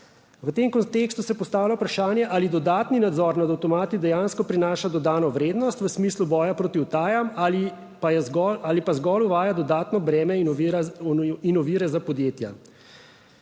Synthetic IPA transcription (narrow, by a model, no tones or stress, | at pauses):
ʋət̪emkɔnt̪eːkst̪usɛjɛpɔst̪aːwlawupɾaʃaːnjɛʔalid̪ɔd̪aːt̪ninad̪zɔɾnad̪awt̪ɔmaːt̪id̪ɛjaːnskɔpɾinaːʃad̪ɔd̪aːnɔʋɾeːd̪nɔst̪ʋəsmiːslubɔːjapɾoːt̪iwt̪aːjamali | pajɛɡɔaːlipazɡɔluʋaːjad̪ɔd̪aːt̪nɔbɾɛːmɛ | inɔʋiːɾɛzapɔd̪jeːt̪ja̰